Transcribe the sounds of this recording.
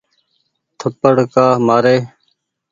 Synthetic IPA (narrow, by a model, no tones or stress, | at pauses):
t̪ʰəpəɽkaːmaːɾeː